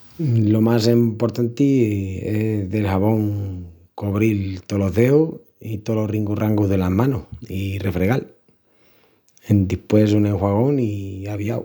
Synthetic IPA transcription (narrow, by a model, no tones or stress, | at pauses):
lo̞mas̬empo̞ɾt̪ant̪ieðe̞lhaβõ̞ŋ | koβɾilt̪olo̞ɦðeu | it̪oloriŋɡuraŋɡuðe̞lamãnoirefɾeɣal | end̪ihpwesuneŋxwaɣ̞o̞ŋiaβjaw